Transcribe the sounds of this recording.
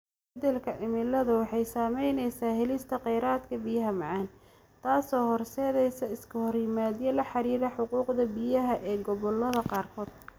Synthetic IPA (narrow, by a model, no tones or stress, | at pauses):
bɛd̪ɛlkʰɐʔɪmɪlɐðʊwɑħɑjsaːmɛjnɛjsaːhɛlɪst̪ʰɐqɛjɾaːd̪kʰɐbɪjɐɦɐmɑʕɑːn | t̪ʰaːsɔːhɔrsɛːðɛjsɐɪskʰɐhɔrjɪmaːðjɛlɐħɑɾiːɾɐħʊquːqd̪ɐbɪjɐɦɐʔɛːɡɔβɔlːɐðɐqɑːrkʰɔːd̪̚